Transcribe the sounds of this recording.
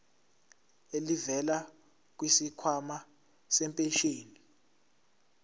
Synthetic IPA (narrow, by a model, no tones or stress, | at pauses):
elivɛla | k̬wisikʰwama | sɛmpʼeʃeːni